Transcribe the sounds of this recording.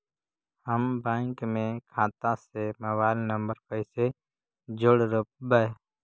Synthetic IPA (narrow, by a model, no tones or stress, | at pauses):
həmbɛ̃ːŋkmẽkʰãːt̪ãseməβaːɪlnə̃mbəɾpəɪse | d͡ʒʊɽɾəp̚bəe